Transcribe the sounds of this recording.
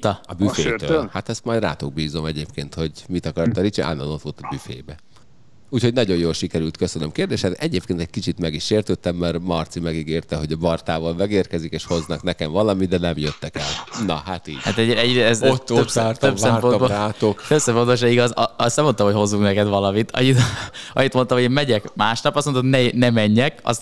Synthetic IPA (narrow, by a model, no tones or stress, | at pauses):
t̪ɒɒbyfeːøhat̪ɛst̪majd̪ra̰ːt̪oɡ̚biːzo̞mɛɟeːpkeːnt̪ho̞ɟmit̪ɒkɒrt̪ːɒɾit͡ʃḭʔa̰nːɒ̰not̪ʋoːlt̪ɒbyfḛːbɛ | uːcho̞ɟnɒɟo̞joːlʃikɛɾylt̪køsønømkeːrd̪eːʃɛt̪ɛɟeːp̚keːnt̪ɛc̚kit͡ʃit̪mɛɡiʃːeːrt̪øːt̪ːɛmːɛrmɒrt̪simɛɡiɡeːrt̪ɛɦo̞ɟɒbɒrt̪aːvɒlmɛɡeːrkɛzikeːʃho̞znɒknɛkɛɱvɒlɒmid̪ɛnɛmjøt̪ːɛkɛlnɒ̰ɦat̪ḭːɟa̰t̪ɛɟɛɟɛzot̪ːøpsaːrt̪øsɛmrponboaːt̪okt̪øpsɛmfooʃɛiɡɒzɒɒsɛmont̪ɒmhocho̞zːuknɛkɛd̪ʋɒlɒmit̪ʰɒ̰ɲit̪ɒɲit̪mo̞nt̪ɒmoɟeːmɛɟɛkmaːʃnɒpɒst̪mononɛnɛmɛɲːɛkɒ̰s